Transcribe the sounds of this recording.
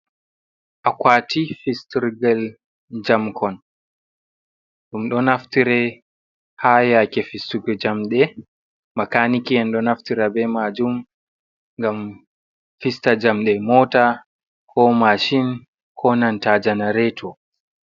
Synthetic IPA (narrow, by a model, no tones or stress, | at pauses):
ʔakwaːtifistiɾɡal | d͡ʒamkʰɔn | ɗumɗɔnaftiɾɛ | hajakɛfistuɡɔd͡ʒamɗɛ | makanikiɛnɗɔnaftiɾabɛmad͡ʒum | ŋɡam | fistad͡ʒamɗɛmɔːta | kʰɔmaʃin | kʰɔnantad͡ʒanaɾɛtʰɔ